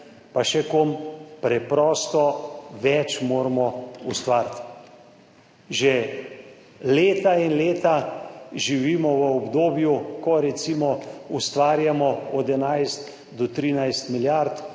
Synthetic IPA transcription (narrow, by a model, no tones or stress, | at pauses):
paʃɛkompɾɛpɾɔːst̪ɔʋɛt͡ʃmoːɾmɔust̪ʋaːɾt̪ | ʒɛ | leːt̪ainleːt̪aʒiʋiːmɔʋəɔbd̪oːbjukɔɾɛsimɔust̪ʋaːɾjamɔɔd̪ɛnajst̪ | d̪ɔt̪ɾiːnajst̪miljaɾt̪